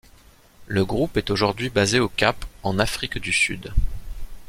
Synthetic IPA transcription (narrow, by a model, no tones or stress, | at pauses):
ləɡʁupɛt̪oʒuʁd̪ɥibazeokʲapɑ̃nafχikd̪ysy̰d̪